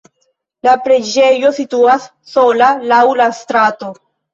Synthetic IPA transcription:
lapɾe̞d͡ʒe̞jo̞situasːo̞lalawlastɾato̞

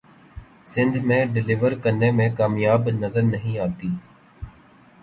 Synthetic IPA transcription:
sɪ̃nd̪ʱmẽːɖɪlɪʋəɾkənːeːmẽːkaːmjaːbnəzəɾnəɦĩːaːt̪iː

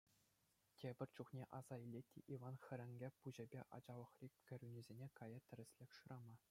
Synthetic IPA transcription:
tʲebʲɘ̆rʲt͡ɕuχnʲeʔɑz̥ɑilʲːetʲːḛʔiʋɑnxʲɘ̆ɾʲɘ̆ŋʲɡʲepuʑɘ̆bʲeʔɑ̰d͡ʑɑlˠɤ̆χrʲikʲkʲːɘ̆ɾʲynʲizʲenʲekɑjɑt̪ʲɘ̆ɾʲɘ̆sʲlʲekʲʂɯ̆ɾʔɑmɑ

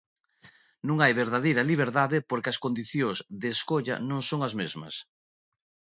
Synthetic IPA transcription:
nũŋajβeɾðaðejɾɐliβ̞eɾðaðɪpoɾkɪɐskond̪iθjozðeːskoʎɐ̰nõŋsoŋɐzmezmɐ̰s

